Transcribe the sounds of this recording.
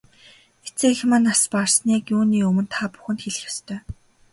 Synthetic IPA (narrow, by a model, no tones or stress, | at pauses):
et͡seːxmanasparsniːkjuːniːɵmɵ̆nt̪ʰaːpʊ̥xɘ̆nt̪xeɮɘ̆xjḁst̪ʰœː